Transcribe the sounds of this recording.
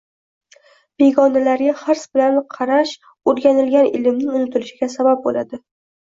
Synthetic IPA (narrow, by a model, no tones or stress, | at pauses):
b̥e̞ɡʲɒnalaɾɡʲaχɪɾsbɪlanqʰɑɾaʃ | oɾɡʲanɪlɡʲanɪ̰lɪmnɪŋʊnɪt̪ʰɪlɪʃɪɡʲasabap̚bolad̪ɪ